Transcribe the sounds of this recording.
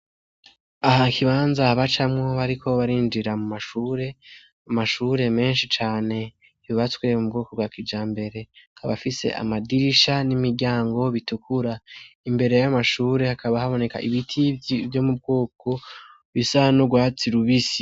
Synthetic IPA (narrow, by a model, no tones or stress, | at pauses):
aɦakʰiβaːnzahaβat͡ʃamŋoβaɾikʰo̞βaɾiːnd͡ʒiɾamumaʃuːɾe̞ | amaʃuːɾe̞me̞ːnʃit͡ʃaːne̞ | iβiβatwiɾemub̚ɡoːkoɡwaːkid͡ʒaːmbe̞ɾe̞akʰaβafise̞̰ʔa̰madiɾiʃanimiɾɟaːŋɡoβitukʰuɾaimbe̞ɾe̞jajamaʃuːɾe̞hakaβahaβo̞ne̞ka̰ʔiβitʰivjo̞mub̚ɡoːko̞ | βisaanoɡwaːt͡siɾuβisi̥